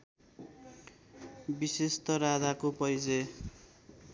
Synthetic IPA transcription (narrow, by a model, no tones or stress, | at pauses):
bisest̪ʌɾad̪akopʌjd͡ze